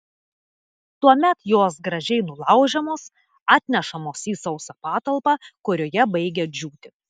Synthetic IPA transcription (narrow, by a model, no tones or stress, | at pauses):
t̪uɔmʲɛt̪joːsɡɾɐʒʲɛɪnʊlˠɑˑʊʒʲɛmoːs | ɑːt̪ʲnʲɛʃɐmoːsiːsɐʊsɐpɑːt̪ɐlˠpɑːkʊɾʲoːjɛbɐɪɡʲɛd͡ʒʲuːt̪ʲɪ